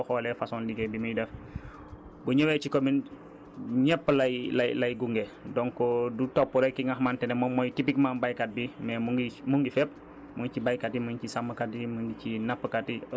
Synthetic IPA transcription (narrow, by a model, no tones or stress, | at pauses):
ɔhɔːlɛfasɔndiɡɛbiməjdɛf | buɲəwɛt͡ʃikomin | ɲɛpːəlɐjlɐjlɐjɡuŋɡɛdɔŋkɔdutɔpːuɾɛkiŋahmaːntɛnɛmɔmɔjtipikmanbajkat̚bimɛmuɡimuŋɡifɛp̚ | muŋt͡ʃibajkatiməŋt͡ʃisamːəkatiməŋɡit͡ʃinapːəkati